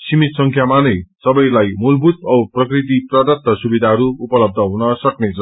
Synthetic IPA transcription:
simit̪sʌŋkʰjamanʌjsʌbʌjlajmulbʱut̪ʌprʌkrit̪̬iprʌd̪ʌt̪ːʌsubid̪ʱaɦʌɾuupʌlʌb̚d̪ʱʌɦunʌsʌknet͡sʰʌ

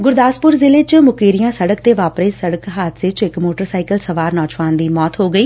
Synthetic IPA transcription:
ɡʊɾd̪aːspʊɾzɪleːt͡ʃmʊkeːɾɪjãːsəɽəkt̪eːʋaːpɾeːsəɽəkɦaːt̪ʰsɪt͡ʃɪkmoːʈəɾsaːɪkəlsəʋaːɾnɔːt͡ʃʋaːnd̪iːmɔːt̪ɦoːɡəiː

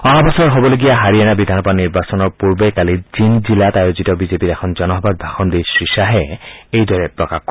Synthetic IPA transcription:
ɔɦabʱɔsɔɔɹɦobɔloɡijaɦaɹiɛnabid̪ʱanɔpaniɹbasɔnɔɹpuɹbekalizinzilatajozitɔbizepiɾɛkʰɔnzɔnɔɦɔbad̪̚bʱaxɔnd̪ijsɹisaɦɛejdɔɹɛpɹɔkaxkɔ

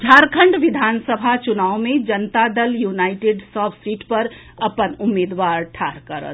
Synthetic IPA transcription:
d͡ʒʱaːɾkʰəɳɖʋid̪ʱaːnsəbʱat͡ʃʊnaːwmẽd͡ʒənt̪ad̪əljunaɪʈeɖsɔːpʰsiːʈpəɾ | əpənʊmːeːd̪ʋaːɾʈʰaːɾkəɾə̰t̪

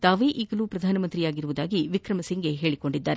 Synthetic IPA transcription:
t̪aːʋe̞ːʔiːɡɐluːpɾɐd̪ʱaːnɐmɐnt̪ɾijaːɡiɾuʋud̪aːɡiʋikɾɐmɐsiŋɡe̞ɦeːɭiko̞ɳɖid̪ːaːɾe

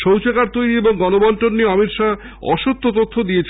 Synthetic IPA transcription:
ʃowt͡ɕekaɾt̪ojɾieboŋɡɔnobɔnʈonːieɔmit̪ʃa | ɔ̰ʃot̪ʰːot̪ot̪ʰːod̪ijet͡ɕʰ

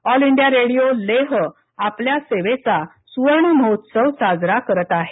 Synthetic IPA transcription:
ɔliɳɖijaɾeɽijoleɦ | apljaseʋet͡sa | suʋəɾɳəməɦot̪səwsad͡zɾakəɾət̪aɦe

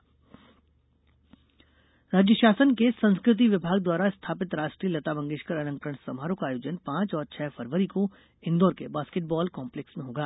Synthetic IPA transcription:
ɾaːd͡ʒjəʃaːsənkesɐ̃nskɾɪt̪̬iʋɪbʱaːɡd̪waːɾaɪst̪ʰaːpɪt̪ɾaːʃʈɾiːəlɐt̪abɐ̃ŋɡeːʃkəɾɐnə̃ŋkɾəɽ̃sɐmɦaːɾõkaːjoːd͡ʒənpãːt͡ʃɔːɾt͡ʃʰɛːfʰɐɾʋəɾiko | ɪ̃nd̪oːɾkebaːskeʈ̚bɔːlkãːmpleksmẽɦoːɡaː

